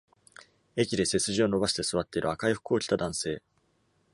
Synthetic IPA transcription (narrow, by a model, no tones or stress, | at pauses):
e̞kʲid̪e̞se̞t͡sɨʑio̞no̞baɕi̥t̪e̞sɨβ̞at̪ːe̞iɾɯ̟akaiɸɯ̟̥koːkʲi̥t̪ad̪ãɰ̃se̞ː